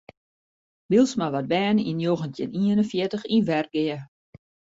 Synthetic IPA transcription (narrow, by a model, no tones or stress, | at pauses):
bilˠsmaʋɔt̚bɛːninjoɣəntʰjɪ̰niənənfjɪtəxinʋɛrɡɪə